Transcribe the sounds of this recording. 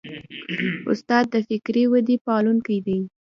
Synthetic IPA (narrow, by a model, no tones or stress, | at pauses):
ʊ̰st̪ɑd̪̚ːəfɪkɾewad̪ipɑluŋkajd̪ij